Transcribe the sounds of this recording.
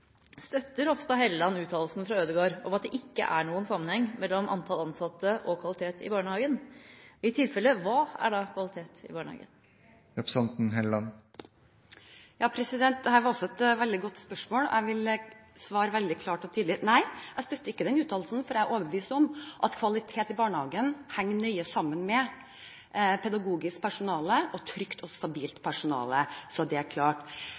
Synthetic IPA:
st̪œt̪ːəɾɔft̪ɔɦɛlːɑnʉːt̪ʰɑːll̩snfɾɑøːd̪əɡoːɾɔmɑt̪̚d̪ɛʔɪkːə̰ʔæɳuːənsɑmːənhɛŋːmɛlːɔmʔɑ̰nt̪ʰɑlɑnsɑt̪ːəʔɔkʰʋɑlɪt̪ʰeːt̪ʰɪ̰bɑːɳəhɑːɡənɪt̪ʰɪlfɛlːəʋɑːæ̰ɖɑkʰʋɑlɪt̪ʰeːt̪ɪ̰bɑːɳəhɑ̰ːɡə̰n | ɾɛpɾsɑnt̪n̩ɦɛlɑn | jɑːpʰɾɛsɪd̪ɛnt̪̚d̪ɛhæːɾʋɑɾɔsːɔɛt̪ʋɛld̪ɪɡɔt̪ːspœʂmoːlʔæɪʋɪləsʋɑːɾəʋɛld̪ɪkʰlɑːʈɔt̪ʰiːd̪lɪnæɪæst̪œt̪ːəɪkːəd̪ɛnʉːt̪ʰɑːllsn̩fɔɾææɾʔoːʋəbəʋiːsɔmʔɑt̪kʰʋɑlɪt̪ʰeːt̪ɪbɑːɳəhɑːɡənhæŋːɳœʏəsɑmːənmɛ | pʰɛd̪ɑɡuːɡɪskpʰæʂʊnɑːləʔɔt̪ʰɾʏkt̪ʰɔst̪ɑbiːlt̪pʰæʂʊnɑ̰ːləsɔd̪ɛæɾkʰlɑːʈ

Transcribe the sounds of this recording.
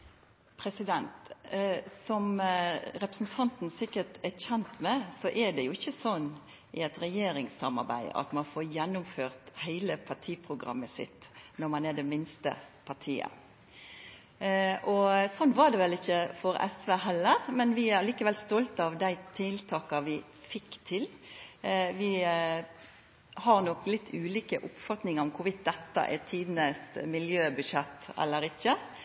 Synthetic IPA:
pʰɾɛsɪd̪ɛnt̪ | sɔmɾɛpəsn̩t̪ʰɑnt̪n̩sɪkːət̪ɛçɛnt̪mɛsɔʔɛɖ̪ɛjʊɪçːəsɔnː | ɪɛt̪ɾɛjeːɾɪŋsɑmɑ̰ɾbæ̰ɪɑ̰t̪mɑnfoːjɛnːʊmføːʁt̪hæɪləpʰɑʁʈʰiːpʰʁʊɡɾɑ̰mːəsɪ̰t̪nɔɾmɑnɛd̪ɛmɪnst̪ə̰pʰɑt̪ʰiːə̰ | ʔɔsɔnːʋɑɾd̪ɛʋɛlɪçːəfɔɾɛ̰sʋeːɦɛlːəʁmɛnʋɪæɾliːkəʋɛlst̪ɔlt̪ɑʋd̪æɪt̪ʰɪlt̪ʰɑːkɑʋɪ | fɪkːt̪ʰɪl | ʋɪ | hɑɾnɔklɪt̪ːʰʉːliːkəʔʊpfɑt̪nɪŋəɾɔmkʰʊʋɪt̪̚d̪ɛt̪ːə̰ʔɛt̪ʰiːd̪nəsmɪljøːbʉʃɛt̪ːɛ̰lːəɾɪçːə

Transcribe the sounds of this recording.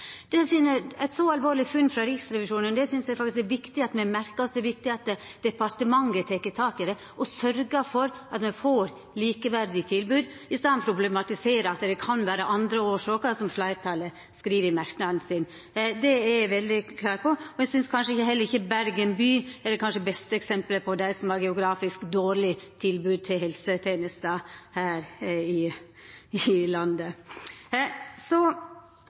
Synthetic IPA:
d̪̥ɛsʏnəɛɪt̪sɔɑlʋoːɾɭɪfʉnːfɾɑɾɪksɾɛʋɪʂuːnənd̪ɛsʏnsjæfɑkt̪ɪsk̪ɛɾʋɪkt̪ɪɑt̪mɛmæɾkəɔsd̪ɛɾʋɪk̚t̪ɪɑt̪d̪̥ɛpɑɾt̪əmɑŋːət̪ʰɛkːət̪ʰɑːkɪd̪ɛ | ɔsœɾɡəfɔɾɑt̪mɛfoːɾ | liːkəʋæɾd̪ɪt̪ʰɪlbʉːd̪ | ɪst̪ɑnpʰɾʊblɛmɑt̪ɪseːɾəɑlt̪ːəd̪ɛkʰɑnʋæːɾəʔɑnd̪ɾəoːʂɑːkɑsɔmʂlɑɪt̪ʰɑːlə | skɾiːʋəɾmɑɾknɑd̪nsɪn | d̪ɛɛʋɛld̪ɪkʰlɑːɾpʰɔɔɛsʏnskʰɑnʂəɪçəɦɛlːəɾɪçːəbæɾɡənbyːɛd̪ɛkʰɑnʂəbɛst̪əɛksɛmpləpʰɔd̪æɪsɔmɑɾɡɛʊɡɾɑːfɪskd̪oːɾɭɪt̪ʰɪlbʉːd̪̚t̪ʰɪlɦɛlsət̪ʰeːnɪst̪ɑːhæːɾɪ | ɪlɑnd̪ə | sɔ

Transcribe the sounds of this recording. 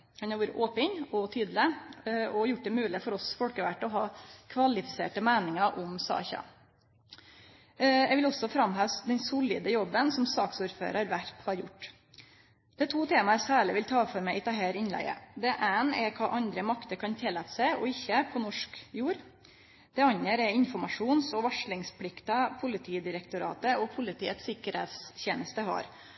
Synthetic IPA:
hɑnhɑɾʋuːɾə̰ʔoːpəɲɔt̪ʰyːd̪l̩ɪɔjʊʈ̚ːd̪ɛmʉːlɪfɔɾɔsfɔlkəʋæʈːɔɦɑːkʰʋɑlɪfɪ̥sḛːʈəmæːnɪŋəʔʊmsɑ̰ːçɑ̰ | jæʋɪlɔsɔfɾɑmɦœd̪ɛnsʊlɪ̰d̪əjɔbːənsɔmsɑːksuːɾfø̰ːɾəɾʋæɾphɑɾjʊʈː | d̪̥ɛt̪ʰuːt̪ʰeːmɑɛsæːɭɪʋɪlt̪ʰɑːfɔɾmɛɪɪt̪ɑɦeːɾɪnlæ̰ɪə̰d̪ɛʔæːnɛkʰɑːʔɑnd̪ɾəmɑkt̪əɾkʰɑnt̪ʰɛlæt̪sæɪɔɪçːəpʰɔnɔʂkjuːɾ | d̪̥ɛɑnəɾɛɪnfɔɾmɑʂuːnsɔʋɑʂɭɪŋspʰlɪkt̪ɑpʰʊlɪt̪ʰiːd̪ɪɾɛkt̪ʊɾɑ̰ːt̪əɔpʰʊlɪt̪ʰiːət̪sɪkːəɾhḛːt̪sçeːnəst̪əɦɑ̰ɾ

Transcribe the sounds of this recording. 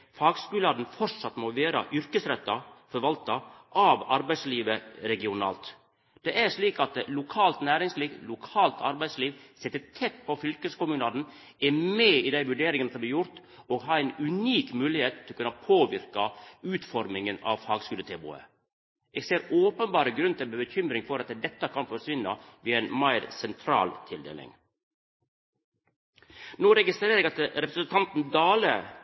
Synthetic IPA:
fɑːɡskʉːlɑd̪nfɔɾsɑt̪ːmoːʋeːɾɑ̰ʔʏɾkəsɾɛt̪ːɑfɔɾʋɑlt̪ɑʔɑʋɑɾbæɪsliːʋəɾɛɡɪʊnɑ̰ːlt̪ | d̪̥ɛʔæɾʂɭiːkɑt̪lʊkʰɑːlt̪næːɾɪŋsliːʋlʊkʰɑːlt̪ʰɑ̰ɾbæɪsliːʋsɛt̪ːət̪ʰɛt̪̚pʰɔfʏlkəskʊmʉːnɑːd̪n̩ | ɛmeːid̪æɪʋʉɖeːɾɪŋənəsɔmb̪lɪːjʊɾt̪ | oːɡɦɑːæɪnʉniːkmʉːlɪheːt̪ʰːɪlɔkʉnɑpʰoːʋɪɾkɑʉːt̪fɔɾmɪŋənɑ̰ːʋfɑːɡskʉːlət̪ʰeːbṵːə̰ | ʔeːɡseːɾoːpənbɑːɾəɡɾʉnt̪ʰɪlbəbəçʏmɾɪŋfɔɾɑt̪d̪ɛt̪ːɑkʰɑnfɔɾsʋɪnːɑʋiːæɪnmæɪɾsɛnt̪ʰɾɑ̰ːlt̪ʰɪld̪ḛːlɪ̰ŋ | noːɾɛɡɪst̪ɾeːɾəeɡɑt̪ɾɛpɾəsənt̪ʰɑnt̪nd̪ɑːlə

